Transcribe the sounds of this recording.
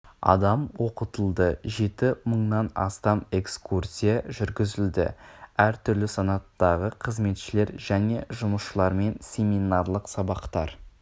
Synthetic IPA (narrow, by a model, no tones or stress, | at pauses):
ɑ̰d̪ɑmwo̞qət̪əlˠd̪əʒe̞t̪ɪməɴnɑnɑ̰st̪ɑme̞kskursʲijɑʒʏɾɡʲɪzɪld̪ɪ̰æɾt̪ʰʏɾlɪsɑnɑt̪ːɑʁəqʰəzme̞t̪ʃɪle̞ɾʒæne̞ʒʊməsʃəlˠɑɾme̞nsʲe̞minɑrlˠəqsɑbɑqt̪ɑɾ